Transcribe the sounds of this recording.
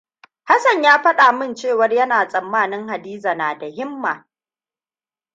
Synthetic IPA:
ha˦sɐ˨ɲjaː˦ɸɐ˦ɗaː˨mɪ˦nt͡ʃeː˦˨wɐ˦rjɐ˦naː˨sʼɐ˨mːaː˦˨nɪ˦ŋha˨diː˦za˨naː˨da˨hɪ˦mːaː˨

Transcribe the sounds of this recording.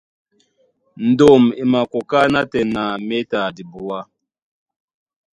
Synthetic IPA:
n̩˨do˨mi˨ma˨ko˨ka˦na˦tɛ˨na˨me˦ta˨di˨bu˨wa˦

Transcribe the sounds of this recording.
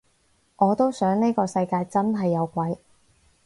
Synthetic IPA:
ŋʔɔː˨˧t̪o˥wsœː˨˥ŋne˥kɔː˧sɐ˧jkaː˧jt͡sɐ˥nɦɐ˨jːɐ˨˧wkʷɐ˨˥j

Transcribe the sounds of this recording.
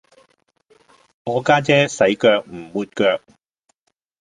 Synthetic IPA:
ŋɔː˨˧kaː˥t͡sɛː˥sɐ˨˥jkœː˧k̚m̩˨˩wuː˧t̚kœː˧k̚

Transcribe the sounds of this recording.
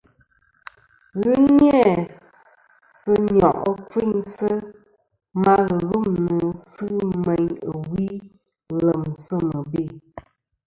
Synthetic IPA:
ɣɨ˦ɲ˦ɛ˦˨ | sɨ˦ɲɔ̰˨ʔə˦ki˦˨ɲsə˦ | ma˦ɣə˨lu˦mnə˨sɨ˦mɛ˨ɲə˨wi˦ | lə˨msə˦mə˨be˦˨

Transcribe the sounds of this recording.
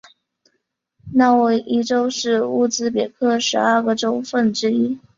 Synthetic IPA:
na˥˩wʔi˥ʈ͡ʂo˥ʊʂɻ̩˥˧u˥˩t͡sɹ̩˥p̬jɛ˨˩kʰɤ˥˩ʂɻ̩˧˥ə˞˥˧˩ɡə˩ʈ͡ʂo˥ʊfə˥˩nʈ͡ʂɻ̩˥i˥

